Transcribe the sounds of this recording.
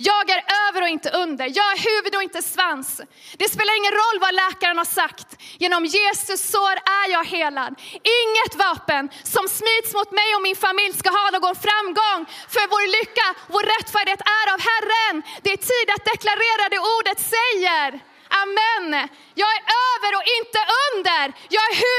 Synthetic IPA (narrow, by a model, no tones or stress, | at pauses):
jɑːɡæɾøːvəɾɔɪnt̪əʔɵnd̪əɾjɑːɡæhʉ̟ːvɵd̪ɔɪnt̪əsvans | d̪̥ɛspeːlaɾɪŋːənɾɔlːvalɛːkaɾənhasakt̪jeːnɔmjeːsɵsːɔɾæjɑːɡheːlad̪ɪŋːət̪vɑːpənsɔmsmiːd̪smʊt̪mɛjɔmɪnfamɪljskaɦɑːnoːɡɔnfɾamːɡɔŋːfœɾvoːɾlʏkːavoːɾːɛt̪ːfæːɖɪheːt̪æɾavɦærːənd̪ɛæt̪ʰiːd̪at̪̚d̪ɛklaɾeːɾad̪ɛuːɖət̪sɛjəɾ | ʔamːɛn | jɑːɡæɾʔøːvəɾɔɪnt̪əʔɵnd̪əɾjɑːɡæɾh